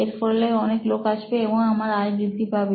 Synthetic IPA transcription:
eɾfɔlːejɔneklokaʃbeeboŋamaɾajbɾid̪ʱːipabe

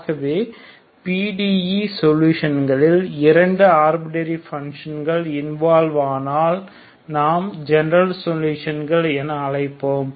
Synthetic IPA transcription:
ɣɐʋeː | piːɖiːjisɔluːʂɐnɡɐɭɪlɪɾɐɳɖɯaːɾbɪʈɐɾifɐŋʂɐnɡɐɭɪnʋaːlʋaːnaːl | naːmd͡ʒɛnɐɾɐlsɔluːʂɐnɡɐɭɛnɐːlɐɪpːoːm

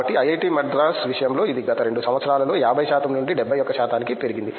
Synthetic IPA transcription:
ɐʈːiɐjɐjʈiːmɛɖd̪ɾaːsʋiʂɐjɐmlo̞ːid̪iɡɐt̪ɐɾe̞ɳɖusɐmʋɐt̪sɐɾaːlɐlo̞ːjaːbʱɐjɐʃaːt̪ɐmnuɳɖiɖɛbʱːɐjɔkːɐʃaːt̪aːnikipe̞ɾiɡind̪i

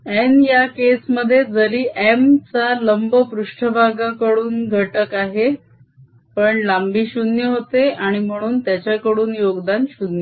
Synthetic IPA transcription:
enjakesməd̪ʱːjed͡zəɾiːʔemt͡saləmbəpɾuʂʈʰəbʱaɡakəɽuːnɡʱəʈəkaɦe | pəɳlambiːɕunjəɦot̪eaɽ̃im̤əɽ̃uːnt̪jat͡ɕjakəɽuːnjoɡd̪anɕunjə

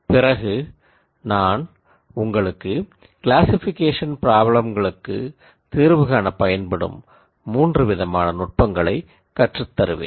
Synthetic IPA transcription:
pɪrɐɣɯ | naːn | ʊŋɡɐɭɯkːɯ | kɪlaːsɪfɪkeːʂɐnpɪɾaːbɐɭɐmɡɐɭɯkːɯ̰ | t̪iːɾʋɯɣaːnɐpɐjɐnpɐɽɯ̰mː | uːndrɯʋɪðɐmaːnɐnʊʈ̚pɐŋɡɐɭɐɪ | kɐʈrɯt̪ːɐɾɯʋḛːn

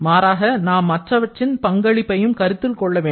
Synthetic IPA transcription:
maːɾaːɣɐnaːmːɐʈrɐʋɐʈrɪnpɐŋɡɐɭɪpːɐjɯmkɐɾɯt̪ːɪlkɔɭːɐʋeː

